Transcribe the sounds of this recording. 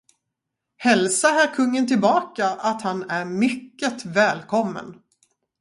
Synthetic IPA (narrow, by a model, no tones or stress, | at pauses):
hɛlsaɦæːɾkʰɵŋːənt̪ɪlbɑːkaʔat̪hanæɾmʏkːət̪vɛːlkʰɔmːə̰n